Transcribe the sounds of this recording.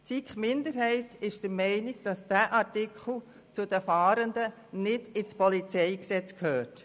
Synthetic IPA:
t͡sikχmɪnd̪əɾɦɛɪtɪʃd̥əɾmɛɪnɪɡ̥̚d̥ɑsd̥æːʔɑɾtikχl̩ˠ | t͡sʊdəfɑːɾəndə | nɪdɪt͡spɔlit͡sɛɪksɛt͡skʰhøːrt

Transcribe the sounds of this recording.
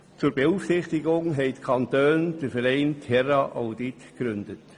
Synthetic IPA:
t͡suɾb̥euːfsɪχt̪ɪɡʊŋɦɛɪtkʰɑnt̪øːnd̥əɾfɛɾɛɪntʰhɛrɑʔaʊd̪itɡ̥ɾʏnd̥̪ət

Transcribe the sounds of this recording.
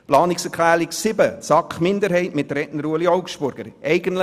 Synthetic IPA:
plɑːnɪksɛɾkʰlæːɾɪksɪbət͡sɑkχmɪndəɾhɛɪtmɪt̚ːəɾɛʔnəɾuəliɔwkʃpʊɾɡ̥əɾʔɛɪɡəntlə

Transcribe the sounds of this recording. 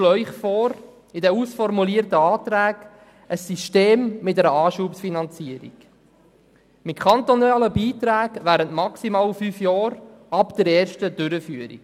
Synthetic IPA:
lœʏχfɔːɾ | ɪdɛusfɔɾmuliːəɾtəɑːt̪ɾæːɡ | əsːiʃteːmːɪtɛɾəɑːʃuːpsfinɑnt͡siəɾḭɡ̥ | mɪtkʰɑnt̪ɔnɑːləbiːtɾæːɡʋæːɾəntmɑksimɑːlfyːfjɑːɾɑpd̪̥əɾɛːɾʃtəd̥ʏɾəfyːəɾḭk

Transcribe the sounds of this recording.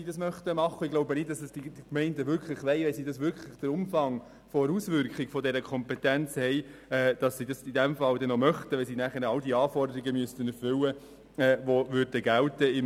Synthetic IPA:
idɑsmœχtəmɑχːəɪɡ̥loʊbənɪt̚d̥ɑsəsd̥idkmɛɪndəʋʏɾkχlɪχʋɛɪʋɛɪsiːdɑsʋʏɾkʰlɪχd̥əɾʊmfɑŋ | fɔɾusʋʏɾkχiɡ̥fɔdɛɾəkʰɔmpɛtænt͡shɛɪɛːd̥ɑsːidɑsidæmfɑldɛnomœχtəʋɛɪsinæχəɾɑldiɑːfɔrdəɾiɡəmyəstənɛɾfʏlə | ɛːʋovʏɾd̥əɡæltəɪm

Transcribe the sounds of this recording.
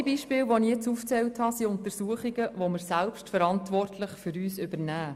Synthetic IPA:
biʃpɪːlʋonijet͡suft͡sɛlthɑsiʊntəɾsuəχiɡəʋoməɾsælpʃtfəɾɑntʋɔrtʰlɪχfʏɾyːsʏbəɾnæː

